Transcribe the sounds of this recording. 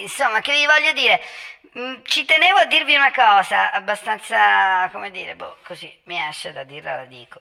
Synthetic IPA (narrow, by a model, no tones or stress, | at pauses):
insomːak̟evːivɔʎːod̪iːɾe | t͡ʃit̪eneːvoad̪ːirviunakɔːzaabːast̪ant̪sakomed̪iːɾebo̰kozimiaʃːed̪ad̪ːiːrla̰lad̪ḭːko̥